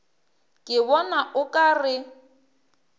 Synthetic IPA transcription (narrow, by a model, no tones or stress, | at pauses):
kʼɪβɔnaʔʊkʼarɪ